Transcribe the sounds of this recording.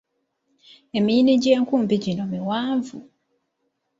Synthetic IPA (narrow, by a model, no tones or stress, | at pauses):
emiːniɟeːŋkuːmbiɟinomiwaːɱvṵ